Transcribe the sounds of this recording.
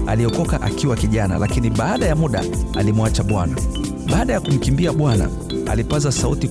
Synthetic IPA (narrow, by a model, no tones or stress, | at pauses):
aliɔkɔkaʔa̰kiwakiʄana̰lakiniɓaːɗajamuɗa̰alimuat͡ʃaɓwana | ɓaːɗajakum̩kimbiaɓwana̰ | a̰lipazasauti